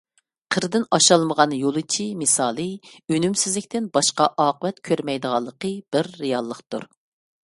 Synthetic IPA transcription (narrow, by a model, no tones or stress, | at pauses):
qʰəɾd̪ɪnɑʃɑlˠməʁɑnjolˠɨt͡ʃʰimɨsɑːlˠɨynymsɪzlɪkʲt̪ɪnbɑʃqɑʔɑːqəvɛt̪kʲʰøɾmɛjd̪əʁɑlˠːəqʰəb̥ɪɾːijɑlˠːəχt̪ṵɾ